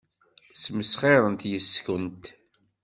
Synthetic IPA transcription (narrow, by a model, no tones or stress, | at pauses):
sməsχeɾˤənt̪jəskənt̪